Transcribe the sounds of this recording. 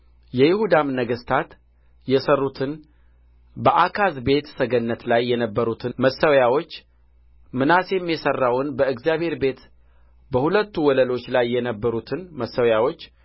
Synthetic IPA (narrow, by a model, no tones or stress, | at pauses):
jɛjɪhud̪amnəɡəst̪ʰat̪ | jɛsərːut̪ʰɨn | bəʔakʰazbe̞t̪səɡənːət̪lajːɛnəbːəɾut̪ʰɨməsəwjawo̞t͡ʃː | mɨnasjɛmːijɛsərːawnbəɨɡzijaβhe̞ɾbe̞t̪ | bəhulət̪ːuwɔləlo̞t͡ʃːlajːɛnəbːəɾut̪ʰɨnməsːəwjawo̞t͡ʃː